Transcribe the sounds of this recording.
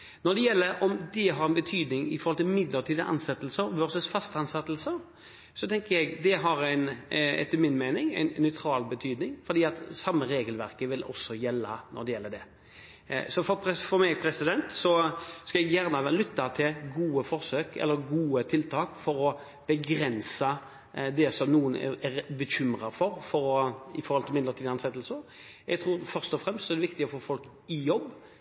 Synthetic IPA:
nɔd̪ɛjɛlːəɾʔɔmd̪ɛɦɑɾɛnbət̪ʰyːd̪nɪŋɪ̰fɔɾʁhɔlt̪ʰɪlmɪd̪ləɾt̪ʰiːd̪əʔɑ̰nsɛt̪ːəlsəɾʋœɾsəsfɑst̪əɑnsɛt̪ːəlsə | sɔt̪ʰɛŋkəɾjɛɡd̪ɛɦɑɾæɪnɛ̰t̪ːəmɪnmæɪnɪŋæ̰ɪnːœʏt̪ʰɾɑːlbət̪ʰyːd̪nɪŋfɔɾd̪iːɑt̪sɑmːəɾeːɡəlʋæɾkəʋɪlɔ̰sːɔjɛlːɑ̰nɔ̰ɾd̪ɛjɛlːəɖ̪ɛ̰ | sɔfɔpʰɛfɔmɛɡpʰɾɛsɪd̪ɛnt̪sɔskɑɛɡjæʁnəlʏt̪ːɑt̪ʰɪlɡuːəfɔɾsøːkɛ̰lːəɾɡuːət̪ʰɪlt̪ʰɑːkfɔɾɔ | b̥ɛɡɾɛnsə | d̪ɛsɔmnuːənɛ̰æɾbəɕʏmɾɑfɔɾfɔɾɔɪfɔɾhɔlt̪ʰɪmɪnd̪əɾət̪iːd̪ɑnsɛt̪ːəlsəɾ | jɛɡt̪ʰɾuːɾfœʁst̪ɔfɾɛmst̪sɔɛɾd̪ɛʋɪkt̪ɪɔfoːfɔlk | ɪjɔbː

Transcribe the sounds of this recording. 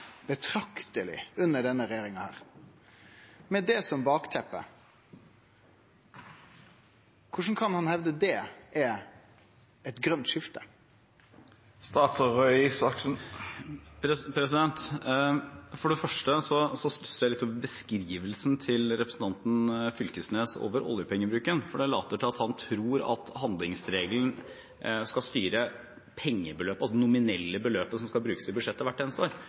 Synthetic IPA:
b̥ət̪ʰɾɑkt̪əlɪ̰ʉnːəɖɛnːəɾɛjeːɾɪŋɑhæ̰ːɾ | mɛd̪ɛsɔmbɑːkt̪ʰɛpːə̰ | kʰʊʂn̩kʰɑnhɑnhɛʋd̪əd̪ɛʔɛ | ɛt̪ɡɾœnt̪ʂɪft̪ə | st̪ɑːt̪ʰʊɾœʏsɑksn | ɾpʰɾɛs̬ɪd̪ɛnt̪ | fɔɖɛfœʂʈəsɔsɔst̪ʉsjæɪlɪt̪ːɔmbəskɾiːʋəlsn̩t̪ʰɪlɾɛpɾəsn̩t̪ʰɑnt̪n̩fʏlkəsneːso̰ːʋəɾɔ̰ljəpʰɛŋːəbɾʉːkənfɔɖɛlɑːt̪əʈʰɪlɑt̪hɑnt̪ʰɾuːɾɑ̰t̪hɑnd̪lɪŋsɾeːɡəln̩ | skɑst̪yːɾə | pʰɛŋːəbəløːpəɑlsɔdɛnʊmɪnɛlːəbəløːpəsɔmskɑlbɾʉːkəsɪbʉd̪ʂɛt̪ːəʋæʈːeːnəst̪əoːɾ

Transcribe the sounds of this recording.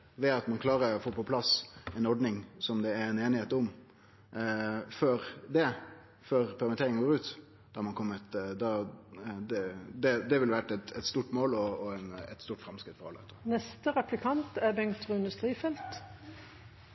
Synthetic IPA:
ʋɛɑt̪mɑnkʰlɑːɾəfoːpɔpʰlɑsɛɪnɔɾɖ̪nɪŋsɔmd̪ɛæɾɛneːnɪheːt̪ʊm | føɾd̪ɛ | føːɾpʰæɾmɛt̪ʰeːɾɪŋənɡoːɾʉːt̪ | d̪̥ɑɾmɑnkʰɔmːət̪d̪ɑ | d̪ɛd̪ɛd̪ɛʋɪlʋæʈɛt̪ɛt̪st̪uːʈmoːlɔːɛnɛ̰t̪st̪uːʈfɾɑmskɾɪt̪fɔɾɑ̰lːəhɛ̰t̪ənɛst̪əʁɛplɪkʰɑnt̪æbɛŋkt̪ɾʉɪnd̪ʉst̪ɾiːfɛlt̪

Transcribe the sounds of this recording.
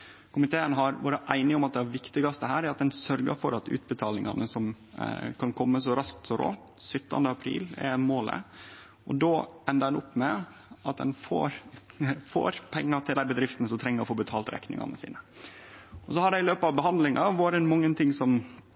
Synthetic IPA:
kʰʊmɪt̪ʰeːənɦɑɾʋo̰ːɾəʔæɪnɪɔmɑt̪̚d̪ɛæʋɪkt̪ɪɡɑst̪əɦæːɾæɾɑt̪̚d̪ɛnsœɾɡə̰ɾfɔɾɑt̪ʉ̰ːt̪̚bət̪ʰɑːlɪŋɑ̰nəsɔm | kʰɑnkʰɔmːəs̬ɔɾɑskt̪sɔɾo̰ː | sʏt̪ːɑ̰nd̪əɑpʰɾḭːlɛ̰moːlə̰ | ɔd̪oʔɛnd̪əɾd̪ɛnʊpːmɛ | ɑt̪̚d̪ɛ̰nfo̰ːɾ | fo̰ːɾpʰɛŋːɑt̪ʰɪld̪æɪbəd̪ɾɪft̪nəsɔmt̪ʰɾɛŋːəɾɔfoːbət̪ʰɑːlt̪ɾɛ̰knɪ̰ŋɑ̰nəsḭːnə | ʔɔsɔhɑɖɛɪløːpəɑʋbəɦɑnd̪lɪŋɑʋoːɾɛnmɑŋːənt̪ʰɪŋsɔm

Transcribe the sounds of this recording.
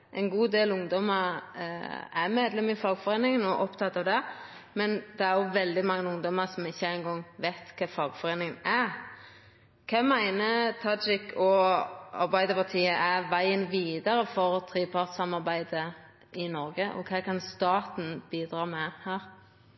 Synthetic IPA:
ʔɛnɡuːd̪eːlʊŋd̪ɔmə | æmeːd̪lɛmɪfɑɡfɔɾeːnɪŋənɔʔɔpt̪ʰɑt̪ːɑʋd̪ɛ | mɛnd̪̥ɛæɾjʊʋɛld̪ɪmɑŋːəʊŋd̪ɔməɾsɔmɪçːəæɪnɡɔŋʋæɪt̪kʰɑːfɑɡfɔɾeːnɪŋənæ | kʰɑmæɪnət̪ʰɑd͡ʒɪkʰɔɑ̰ɾbæɪd̪əpɑt̪ʰiːəʔæʋæɪənʋiːd̪əɾəfɔɾt̪ʰɾiːpʰɑʁt̪sɑmɑʁbæɪd̪ə | ʔɪnɔɾɡəʔɔ̰kʰɑːkɑnst̪ɑːt̪n̩b̥iːd̪ɾɑːmɛhæːɾ

